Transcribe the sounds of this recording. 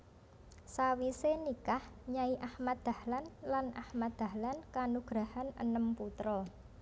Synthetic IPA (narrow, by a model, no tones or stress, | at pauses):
sawisenikahɲaiʔahmat̪̚d̪̥a̤hlanlanʔa̰hmat̪̚d̪̥a̤hlankanuɡ̥ɾahanə̰nəmput̪ɾɔ